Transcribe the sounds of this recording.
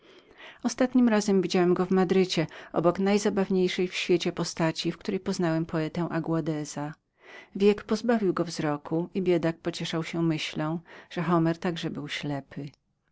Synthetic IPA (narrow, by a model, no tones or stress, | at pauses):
ɔst̪at̪ɲimɾazɛmvʲid͡ʑawɛmɡɔvmad̪ɾɘt͡ɕɛʔɔ̰bɔknajzabavɲejʂɛjfɕfʲjet͡ɕɛpɔst̪at͡ɕifk̚t̪uɾɛjpɔznawɛmpʰɔɛt̪ɛ̃w̃ʔaɡwad̪ɛz̥a | vʲjɛkpɔzbavʲiwɡɔvzɾɔkʰuibʲjɛd̪ak̚pɔt͡ɕɛʂawɕɛmɘɕlɔ̃ʐ̥ɛxɔmɛɾt̪aɡʐɛbɘwɕlɛpʰɘ